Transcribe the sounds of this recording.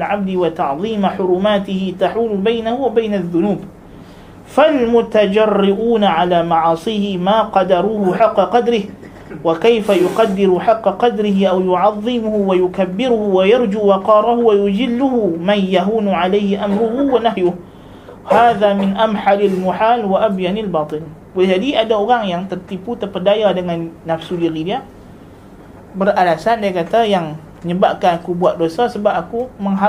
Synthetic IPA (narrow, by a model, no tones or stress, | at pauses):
lʕab̚d̪ɪwat̪ɑʕðˤiːmaħʊɾʊmaːt̪ɪhɪt̪aħuːlbajnahʊwabajnaðːʊnuːb | falmʊt̪ad͡ʒɑrːɪʔuːnaʕalaːmɑʕɑːsˤiːhɪmaːqɑd̪ɑɾˤuːhʊħɑqːɑqɑd̪ɾɪh | wakajfajʊqɑd̪ːɪɾʊħɑqːɑqɑd̪ɾɪɦɪʔawjʊʕɑðˤːɨmʊhʊwajʊkabːɪɾʊhʊwajɑɾˤd͡ʒuːwɑqɑːɾˤɑhʊwajʊd͡ʒɪlːʊhʊmanjaɦuːnuʕalajhɪʔamɾʊɦuwanaɦjʊh | haːðamɪnʔamħalɪlmʊħaːlwaʔabjanalbɑːt̪ˤɨl | wald͡ʒadiadaoɾaŋjaŋt̪ərt̪iput̪ərpədajadəŋanːafsuɡiɾidia | bərʔalasandiakat̪ajaŋ | ɲəbaʔkanakubuaʔ̚dosasəbap̚akuməŋɦa